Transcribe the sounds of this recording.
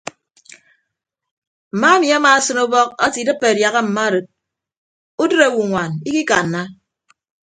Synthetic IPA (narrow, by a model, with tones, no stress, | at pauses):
m̩˨ma˦a˦mi˨a˦maː˨sɨ˦no˦bɔ˦k̚a˦ti˨dɨ˦pːe˨dja˨ɣa˦m̩˨ma˦ɾɨ˨t̚ | u˦dɨ˦ɾe˨wu˨ŋʷa˨ni˦ki˦ka˨nː˨a˦